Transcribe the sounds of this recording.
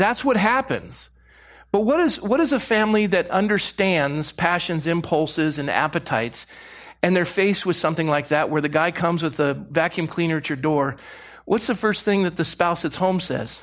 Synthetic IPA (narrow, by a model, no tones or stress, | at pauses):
ðætswʌt̚ɦæpɨ̰̃nz̥ | b̥ʌt̚wʌɾɨzwʌɾɨzəfæ̃mliðɨɾʌ̃ndə˞stæ̃nz̥pʰæʃɨ̃nzɨ̃mpʰʌlˠsɪzɨ̃næ̰pɨtʰaɪtsɨ̃nðə˞feɪswɨð̥sʌ̃mθɪ̃ŋlaɪk̚ðɨʔ̚wə˞ðɨɡaɪkʰʌ̃mzwɨðəvækʰjʉ̃mkʰl̥ĩnə˞t͡ʃə˞dɔɹ | wʔʌtsðɨfɜ˞sθɪ̃ŋðɨt̪̚ðɨspaʊsɨtshõʊ̃msɛ̰z̥